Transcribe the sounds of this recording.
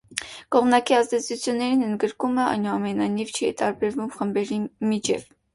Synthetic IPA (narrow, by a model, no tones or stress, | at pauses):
kɔʁmnɑkiɑzd̪ɛt͡sʰut͡sʰjunːɛɾinənd̪ɡəɾkuməɑ̰jnuɑmɛnɑjnivt͡ʃʰiɛ̰t̪ɑɾbɛɾvumχəmbɛɾimit͡ʃʰɛ̰v